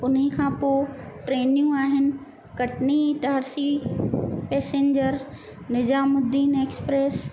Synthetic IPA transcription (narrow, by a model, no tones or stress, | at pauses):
ʊnɦekʰãːpoːʈɾeːnijũaːɦɪnɪ̆ | kɐʈniʈaːɾsi | peːsẽːɲd͡ʑəɾ | nɪzaːmʊd̪ːiːneːkspɾeːs